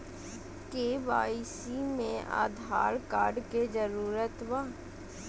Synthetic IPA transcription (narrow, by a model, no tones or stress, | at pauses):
keːʋaːisimẽʔa̰ːd̪ʱaːɾkaːɾɖked͡ʒəɾuːɾət̪ʋaː